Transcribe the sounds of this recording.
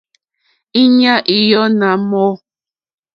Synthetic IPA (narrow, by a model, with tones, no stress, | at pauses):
i˦ɲa˦ʔi˨jɔ˦na˨mɔ˦